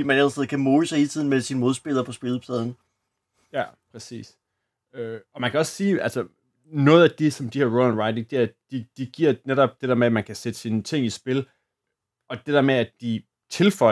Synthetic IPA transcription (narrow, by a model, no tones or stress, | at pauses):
imænælsʰeð̩ˠkʰæmoːləsɑhe̝lt͡sʰið̰ˠn̩mesinəmo̝ð̞ˠsb̥e̝lˠɐpʰɒ̽sb̥e̝l̩ˠpʰlɛð̞ˠn̩ | jæpʰʁɛsḭːs | øɒ̽mænkʰæɒ̽sːiːælsɒ | nɔ̽ːð̞̩ˠæd̥esɒ̽md̥ihæɐʁoænʁɑ̈ɪd̥eŋd̥e̝æɐd̥id̥iɡ̥iɐ̰neɾɒ̽b̥̚d̥e̝d̥ɛɐmeæmænkʰæsed̥əsinət͡sʰe̝ŋ̰isb̥e̝l | ɒ̽d̥ed̥æɐmeæd̥i | t͡sʰe̝lfɒ̽